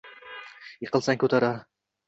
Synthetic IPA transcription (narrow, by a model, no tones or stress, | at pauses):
jɪqɨlˠsaŋkʰɵt̪ʰaɾaɾ